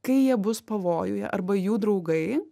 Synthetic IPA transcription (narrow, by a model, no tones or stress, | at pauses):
kɐɪjiɛbʊspɐʋoːjʊjɛ̰ʔɐɾbɐjuːd̪ɾɐʊɡɐɪ